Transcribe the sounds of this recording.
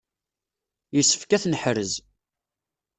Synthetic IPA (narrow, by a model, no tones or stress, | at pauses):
jəsːə̥fkæθnəħɾəz